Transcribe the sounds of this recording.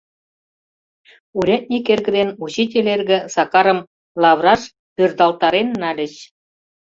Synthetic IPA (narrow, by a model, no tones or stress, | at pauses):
uɾʲɑt̪̚ʲnʲikerɡɘ̆d̪enut͡ɕitʲelʲerɡɘ̆sɑkɑɾɤ̆m | lˠɑβrɑʃ | pʲørd̪ɑlt̪ɑɾenːɑlʲɘ̆t͡ɕ